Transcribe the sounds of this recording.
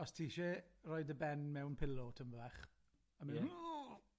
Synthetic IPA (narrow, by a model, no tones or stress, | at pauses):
ɔstʰiːʃɛrɔjdəbɛnmɛwnpʰɪlˠɔtʰəmvɛχ | əm